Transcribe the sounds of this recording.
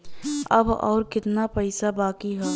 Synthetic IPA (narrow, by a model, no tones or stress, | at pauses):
ɐ̰bɔ̰ːɾkɪt̪napɛɪsabaːkiɦɛː